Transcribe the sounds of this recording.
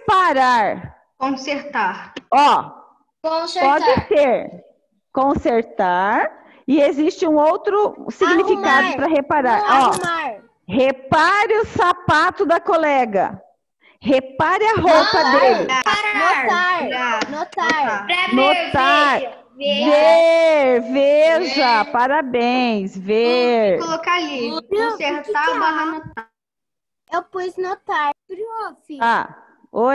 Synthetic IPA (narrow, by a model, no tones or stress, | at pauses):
paɾaɾ | kõseɾt̪aɾɔ̃ | pɔd͡ʒd͡ʒɪseɾ | kõseɾt̪aɾ | ɪezist͡ʃɪũowt̪ɾʊsiɡnifikad̪ʊpɾɐɦepaɾaɾɔ | hepaɾɪʊsapat̪ʊd̪ɐkolɛɡɐ̰ | hepaɾɪɐɦopɐd̪elɪ̰noaɾnot̪aɾnot̪aɾ | veveɾveʒɐpaɾabẽj̃sveɾkolokalisɛiaaanot̪ | ewpojznot̪aɾɾiosa | o